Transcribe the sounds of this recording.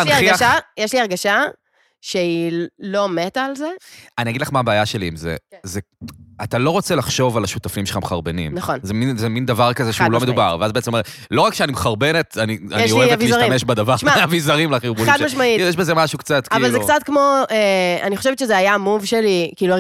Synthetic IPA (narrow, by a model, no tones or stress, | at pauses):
nliaʁiɡaʃajeʃliaʁɡaʃa | ʃeilo̞metaːlzeaniaɡidlaχmaːbeːjaʃe̞liimzḛze | at̪alo̞ʁot͡selaχʃo̞valaʃut̪afimʃelχameχaʁbenḭmnaχo̞nzeminzemind̪avaʁkazeʃeulomed̪ubaʁveazbeesemme | lo̞ʁakʃeanimeχaʁbe̞net̪ania̰jenilieaviizaʁimeʃbadavaʁʃmaavizaʁimlaχiʁbuad̪maʃmaijɛʃbezemaʃukt͡sat̪kaivalzekt͡satkmo̞eaniχoʃevt̪t͡ʃʃezeajamuvʃelikiːlua